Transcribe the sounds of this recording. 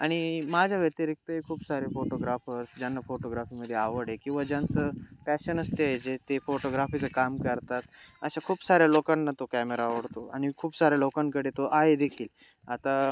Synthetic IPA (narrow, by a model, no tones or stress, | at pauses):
aɽ̃imad͡ʑʱjaʋət̪jaɾik̚t̪əekʰuːpsaɾefoʈoɡɾafəɾsd͡ʑjanːafoʈoɡɾafiməd̪ʱːjeaʋəɽekĩw̃ʋad͡ʑjãnt͡səpæɕənəst̪eed͡ʑet̪efoʈoɡɾafit͡səkamkəɾt̪at̪ə̰ɕakʰuːpsaɾjalokanːat̪okɛmeɾaʋəɽt̪oa̰ɽ̃ikʰuːpsaɾjalokaŋkəɽet̪oʔaɦed̪ekʰiːl | at̪a